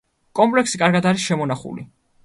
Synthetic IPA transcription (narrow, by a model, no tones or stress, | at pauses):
kʼɔmpʼlɛksikʼaɾɡad̪aɾisʃɛmɔnaχṵli